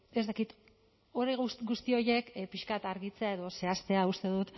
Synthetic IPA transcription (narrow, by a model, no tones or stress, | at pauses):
e̞zt̪akit̪ | oɾeɣusɡust̪io̞je̞kpiʃkat̪aɾɣit͡se̞ae̞ðo̞se̞ast̪e̞aust̪e̞ðut̪